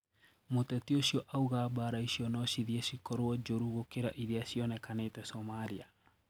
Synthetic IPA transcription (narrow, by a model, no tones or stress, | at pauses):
motɛtioɕiɔʔauɣaːbaɾaiɕiɔnɔʃiðiɛsikɔɾoɔd͡ʒoɾuɣokeɾaʔiðiasiɔnɛkaneːtɛsɔmaɾia